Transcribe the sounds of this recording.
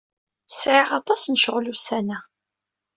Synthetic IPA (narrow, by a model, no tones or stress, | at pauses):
sʕiʁɑt̪ˤɑsnʃəʁlusænæ